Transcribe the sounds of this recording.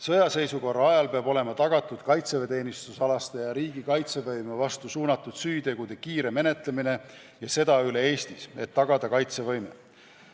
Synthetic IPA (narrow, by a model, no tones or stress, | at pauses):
sɤ̞jɑse̞jsuko̞rːɑɑjɑlpe̞ɑbo̞le̞mɑt̪ɑɡ̥ɑt̪ːˑud̪̥kɑjt̪seve̞t̪e̞ːnist̪usɑlɑst̪ejɑɾiːɡ̥ikɑjt̪se̞vɤjmevɑst̪usuːnɑt̪ːˑud̪̥syːt̪e̞ɡ̥ud̪̥e̞kiːɾe̞me̞ne̞t̪le̞mine̞ | jɑse̞d̪̥ɑyle̞e̞ːst̪ise̞t̪ːɑɡ̥ɑd̪̥ɑkɑjt̪se̞vɤjmḛ